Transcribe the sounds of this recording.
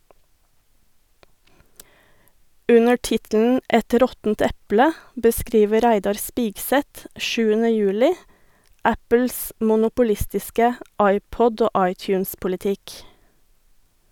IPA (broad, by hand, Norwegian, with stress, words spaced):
ˈʉnə ˈʈɪtln̩ ˈɛt ˈɾɔtn̩t ˈɛplə bəˈskɾiːʋə ˈɾæɪdɑɾ ˈspɪɡˌsɛt ˈʃʉːənə ˈjʉːlɪ ˈæpəls mʊnʊpʊˈlɪstɪskə ˈɑɪˌpɔd ˈoː ˈʔɑɪˌtjʉːnspʊlɪˌtɪk